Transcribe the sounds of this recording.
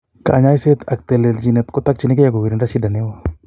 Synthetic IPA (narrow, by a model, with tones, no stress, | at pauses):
ka̰˨ɲa˦jse˦t̪a˨k̚t̪ɛ˨le˨ld͡ʒi˨nɛ˨t̪ko˦t̪a˦k̚t͡ʃi˦ni˦ke˦ja˨ɡo˨wi˨ɾi˨nda˦si˦da˨ne˦wa˦